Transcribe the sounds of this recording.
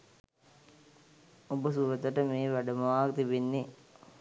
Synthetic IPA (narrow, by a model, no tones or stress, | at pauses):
obəsuʋət̪əʈəmeːʋaɖɐmɐʋaːkt̪ibenːe